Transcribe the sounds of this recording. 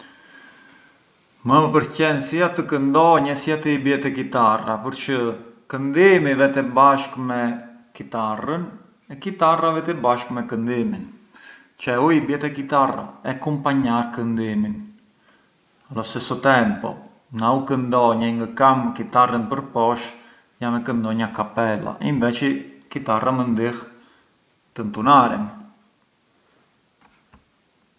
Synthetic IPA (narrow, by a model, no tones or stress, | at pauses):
məpəɾcɛnsiat̪əkənd̪ɔɲɛsiat̪iibɛt̪ɛkit̪arapəɾt͡ʃəkənd̪imivɛt̪ɛbaʃkmɛ | kit̪arən | ɛkit̪aravɛt̪ɛbaʃkmɛkənd̪imin | t͡ʃɛuibɛt̪ɛkit̪ara̰ɛkumpaɲaɾkənd̪imin | alɔsɛsɔt̪ɛmpɔ̰ | naukənd̪ɔɲaŋɡəkamkit̪arənpəɾpɔʃ | jamɛkənd̪ɔɲakapɛla̰ʔimvɛt͡ʃikit̪arʔamənd̪ih | t̪ənt̪unaɾɛ̰m